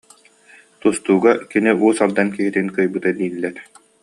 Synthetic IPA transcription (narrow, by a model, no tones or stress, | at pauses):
t̪ust̪uːɡakiniuːsalˠd̪ankiɦit̪inkɯjbɯt̪ad̪iːlːɛɾ